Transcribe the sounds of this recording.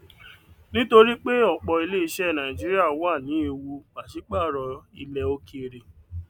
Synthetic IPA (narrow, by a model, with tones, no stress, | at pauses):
nĩ˦to˧ɾi˦k͡pe˦ɔ˦˨k͡pɔ˧i˧le˦i˧ʃɛ˦˨nã˨ĩ˨d͡ʒi˦ɾi˦a˦˨wa˦˨nĩ˨˦e˧wu˧k͡pa˨ʃi˨˦k͡pa˦˨ɾɔ˧i˧lɛ˧o˧ki˦e˨ɾe˨